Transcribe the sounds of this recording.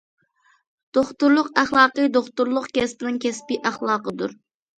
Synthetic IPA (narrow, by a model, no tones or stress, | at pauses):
d̪̥oχt̪uɾlˠʊqæχlˠɑːqəjd̪oχt̪uɾlˠʊqkʲɛspɪnɪŋkʲʰɛspɪʔæχlˠɑːqəd̪uɾ